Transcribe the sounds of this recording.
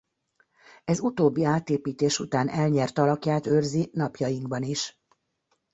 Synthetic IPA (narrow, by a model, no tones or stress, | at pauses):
ɛzut̪oːbːiaːt̪eːpiːt̪eːʃut̪aːnʔɛlɲɛrt̪ɒlɒkjaːt̪øːrzinɒpjɒjiŋɡbɒniʃ